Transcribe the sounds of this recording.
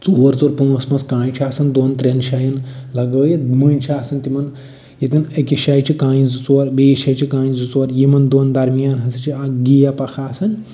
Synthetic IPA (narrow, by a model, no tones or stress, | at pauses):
t͡suːʋɐɾt͡suɾpuːɐsmɐskãːjt͡ʃʰaːsɐnd̪oːnt̪ɾenʃɐjinlɐɡəːjiməːnʲt͡ʃʰiaːsɐnt̪imɐn | jit̪inekʲiʃajt͡ʃʰikãːjizut͡soɾbeːʃɐjt͡ʃʰikãːjĩzut͡soɐɾjimɐnd̪oːnd̪ɐɾmijaːnɦɐsʰit͡ʃʰiaɡijapɐkʰaːsɐnʲ